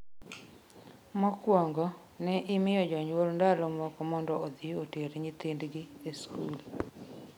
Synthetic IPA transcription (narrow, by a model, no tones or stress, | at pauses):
mɔkwɔŋɡɔ | nɛʔɪmɪjɔd͡ʒɔɲwolndalɔmɔkɔmɔndɔod̪ioteɾeɲit̪indɡɪeskul